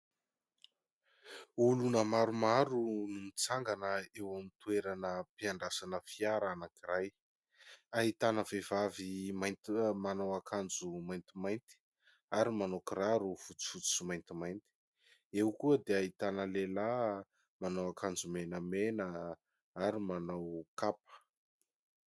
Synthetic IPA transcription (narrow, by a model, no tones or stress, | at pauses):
ulunəmaɾumaɾunumit͡saŋɡanəewamint̪weɾanəpiaɳɖ͡ʐasanəfiaɾanakiraj | aɦit̪anəvevavimajnt̪manowakʰand͡zumajnt̪imajnt̪i̥ | aɾimanokiɾaɾufut͡su̥fut͡su̥sumajnt̪imajnt̪i̥ | ewkuəd̪eaɦit̪anəlela | manawakand͡zumenəmenə | aɾimanawkapə̥